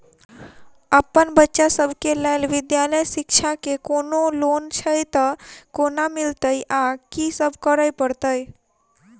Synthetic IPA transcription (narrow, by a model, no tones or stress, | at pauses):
əpːənbətːʃasəbʱkeləɪlʋɪd̪jaləjsɪkt͡ʃʰakekonolont͡ʃʰəjt̪əkonamɪlt̪əjʔakisəbʱkəɾəjpəɾt̪əj